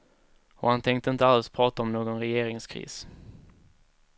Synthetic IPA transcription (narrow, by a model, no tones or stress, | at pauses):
ɔ̰hant̪ʰɛŋk̚t̪əɪnt̪əaləɛlspʰɾɑːt̪aɔmnoːɡɔnɾɛjeːɾɪŋskʰɾḭːs